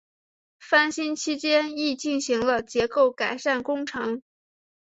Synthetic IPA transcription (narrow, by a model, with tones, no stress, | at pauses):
fa˥˩nɕi˥nt͡ɕʰi˥t͡ɕjɛ˥ni˥˧t͡ɕi˥˩nɕi˧˥ŋlə˧t͡ɕjɛ˧˥ko˥˩ʊka˨˩ɪʂa˥˩nkʊ˥ŋʈ͡ʂʰɤ˧˥ŋ